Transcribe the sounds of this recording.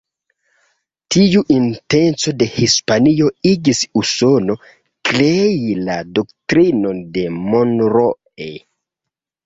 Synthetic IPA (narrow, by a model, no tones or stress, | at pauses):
tiuʔinte̞nt͡so̞de̞hispanio̞iɡisuso̞no̞ | klejilado̞ktɾino̞nde̞monɾo | e